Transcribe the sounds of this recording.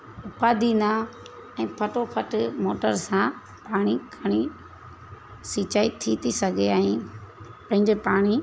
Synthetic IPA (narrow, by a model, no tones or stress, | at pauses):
ʊpaːd̪ʱina | ɛ̃ːpʰəʈopʰəʈmoːʈəɾsã | paːɽ̃ikʰɐɽ̃i | siːt͡ʃaːit̪ʰit̪ʰisɐɡʱeaːĩ | pɐ̃ɦɪ̃ɲd͡ʒepaːɽ̃i